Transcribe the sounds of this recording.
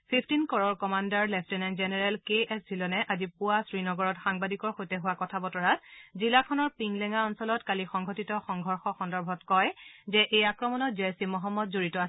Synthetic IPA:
pʰipʰtinkɔɹɔɹkɔmandaɹlɛpʰtɛnaŋzɛnɛɹɛlkeɛszilɔnɛʔazipʊasɹinɔɡɔɹɔtxaŋbadikɔɹxojtɛɦʊwakɔtʰabɔtɔɹazilakʰɔnɔɹpiŋlɛŋaɔnsɔlɔtkalixɔŋɡʱɔtitɔxɔŋɡʱɔɹxɔxɔndɔɹbʱɔtkɔjzɛʔejakɹɔmɔnɔt̚zeɛsimɔɦɔmːɔtzoɹitɔa

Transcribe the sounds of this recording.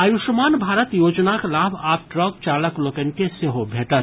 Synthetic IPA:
aːjuʃmaːnbʱaːɾət̪joːd͡ʒnakelaːbʱaːp̚ʈɾɔk̚t͡ʃaːɾləklokənkeseɦobʱeːʈə

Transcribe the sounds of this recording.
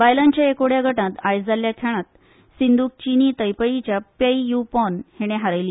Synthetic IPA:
ʋajlaɲt͡ɕjaekoɽjaɡʱəʈãt̪ajd͡zaljakʰeɭ̃at̪̚ | sind̪uːk̚t͡ɕinit̪əjpəjit͡ɕjapəijupɔnheɽ̃eɦaɾajli

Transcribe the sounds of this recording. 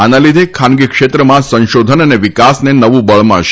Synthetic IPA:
anãlid̪ʱekʰanɡikʃet̪ɾəmãsə̃nʃod̪ʱənəneʋikasnenəʋũbəɭmã̰ʃ

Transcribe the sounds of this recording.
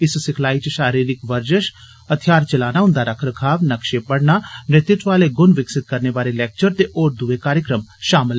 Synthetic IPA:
ɪssɪkʰlaːit͡ʃiʃaːɾiːɾɪkʋɐɾd͡ʒəʃ | ɐt̪ʰijaːɾt͡ʃɐlaːnaʊ̃nd̪aɾɐkʰɾəkʰaːʋnɐkʃepɐɽnanɪt̪ɪt̪ʋaːleɡʊnʋɪksɪt̪̚kɐɾneʋaːɾelɛːk̚t͡ʃəɾt̪eʔoːɾd̪uʋekaːɾjəkɾəmʃaːmɪl

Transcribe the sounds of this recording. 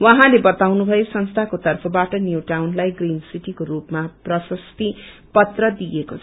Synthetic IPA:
waɦãlebʌt̪awnubʱʌjosʌnst̪ʰakot̪ʌrpʰʌbaʈʌnjuʈawnlajɡrinsiʈikorupmaprʌsʌst̪ipʌt̪rʌd̪ijekot͡sʰʌ

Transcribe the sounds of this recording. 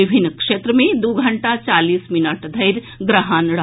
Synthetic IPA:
ibʱinːkʂet̪ɾəmẽd̪uɡʱɐɳʈat͡ʃaliːsminəʈd̪ʱɐjɾ | ɡɾəɦaːnɽ

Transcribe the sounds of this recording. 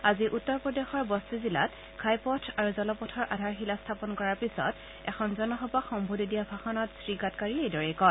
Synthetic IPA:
aziʔutːɔɹpɹɔdexɔɹbɔstuzila̰t | kʰajpɔtʰaɹuzɔlɔpɔtʰɔɹʔa̰dʱaɹxilastʰapɔnkɔɹaɹpisɔ̰t | ɛ̰kʰɔnzɔnɔxɔpaxɔmbʱodidiabʱaxɔnɔtsɹiɡatkaɹiejdɔɹɛjkɔ

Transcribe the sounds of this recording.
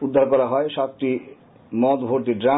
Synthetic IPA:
ud̪ʱːaɾkɔɾaɦɔeʃap̚ʈi | mɔd̪bʱoɾt̪iɖɾa

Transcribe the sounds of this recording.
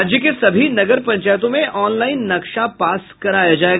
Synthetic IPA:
d͡ʒjəkesɐbʱinɐɡəɾpɐ̃ɲt͡ʃaːjt̪õmẽʔɔːnlaːɪnːɐkʃapaːskɐɾaːjad͡ʒaːeːɡ

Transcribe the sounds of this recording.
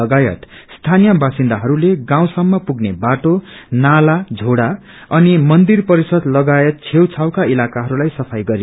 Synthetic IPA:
ʌɡajʌ̰t̪st̪ʰanijʌbasind̪aɦʌɾuleɡãw̃sʌmːʌpuɡnebaʈonalad͡zʱoɽa | ʌnimʌnd̪irpʌɾisʌd̪lʌɡajʌt̪̚t͡sʰewt͡sʰawkailakaɦʌɾulajsʌpʰajɡʌɾi

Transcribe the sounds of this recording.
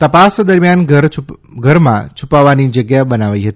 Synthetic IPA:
t̪əpasd̪əɾmjanɡəɾɡʱəɾmã̰t͡ʃʰupaʋanid͡ʒəɡjabənaʋaiɦət̪i̥

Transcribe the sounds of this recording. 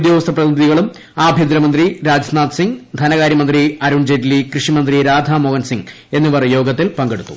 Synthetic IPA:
d̪joːʋɐst̪ʰɐprɐt̪iniðiɣɐɭum | aːbʱjend̪ɾɐmɐnd̪riɾaːd͡ʑɐsnaːt̪siŋɡd̪ʱɐnɐɣaːɾjɐmɐnd̪riɐɾuɳd͡ʑedilikrɨʂimɐnd̪riɾaːd̪ʱaːmoːɡɐnsiŋɡ | e̞nːuʋɐrjo̞ːɡɐt̪ːilpɐŋɡe̞ɽut̪ːu̥̰

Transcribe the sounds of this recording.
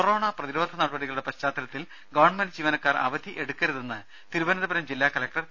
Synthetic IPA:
koro̞ːɳaprɐðiɾoːd̪ʱːɐnaːɽɐbɐɽiɣɐɭuɽe̞pɐɕt͡ɕaːd̪ɐlɐt̪ːil | ɡɐʋɐɳɖmɐnd͡ʑiːʋɐnɐkːaːrɐ̰ʋɐd̪ʱiʔe̞ɽukːɐɾuðenːɨ | t̪iɾubɐnɐðɐbɐɾɐmd͡ʑilːaːkɐlɐk̚ʈɐr

